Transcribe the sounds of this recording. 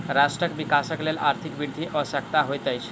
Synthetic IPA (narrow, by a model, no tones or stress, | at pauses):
ɾasʈɾəkʋikasəklelaɾt̪ʰikbiɾd̪ʱiʔɔsəkt̪aɦojt̪əjt͡ʃ